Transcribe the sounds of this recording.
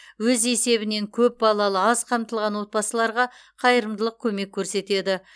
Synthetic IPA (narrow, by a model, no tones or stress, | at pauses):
wɵze̞se̞βɪne̞ŋkʲʰɵp̚bɑlˠɑlˠəɑzqʰɑmt̪əlˠʁɑnwo̞t̪̚pɑsəlˠɑɾʁɑ | qʰɑjəɾəmd̪əlˠəq̚kʲʰɵme̞kʲʰːɵɾse̞t̪e̞d̪ɪ